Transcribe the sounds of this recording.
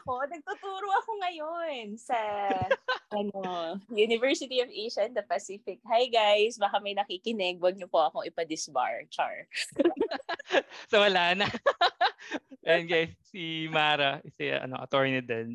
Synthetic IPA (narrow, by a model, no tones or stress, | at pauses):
ɐko̞nɐɡ̚t̪ut̪̚uːɾoʔɐkoŋɐjonsɐ | ʔɐnojuːnɪvɛɹsɪt̪iovʔejʃɐnd̪ɐpɐsiːfɪk̚hajɡajsbɐkamɐjnɐkiːkɪnɪɡ̚wɐɡ̚ɲopoʔɐko̞ʔɪpɐd̪ɪsba̰ɹt͡ʃa̰ɹ | sɐwɐlaːnɐ | nɡajsːimaːɾɐʔɪsɛ̰ʔɐ̰no̰ʔɐt̪oɹnɪd̪ɛn